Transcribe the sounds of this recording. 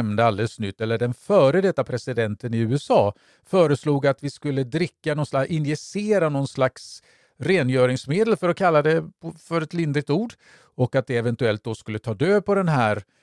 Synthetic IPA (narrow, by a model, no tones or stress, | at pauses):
mnd̪əald̪ɛlsnʏt̪ːɛlːəɖɛnfœːɾəd̪ɛt̪ːapʰɾɛsɪd̪ɛnt̪ənɪʉ̟ːɛsɑː | fœːɾəsluːɡat̪vɪskɵlːəd̪ɾɪkːanɔnslaʔɪnjɛseːɾanɔnslaks | ɾeːnjœːɾɪŋsmeːd̪əlfœɾɔkʰalːad̪ɛɔfœɾɛt̪lɪnd̪ɾɪt̪uːɖ | ɔkat̪̚d̪ɛɛvɛnt̪ɵɛlt̪̚d̪ɔskɵlːət̪ʰɑːd̪øːpɔd̪ɛnɦæːɾ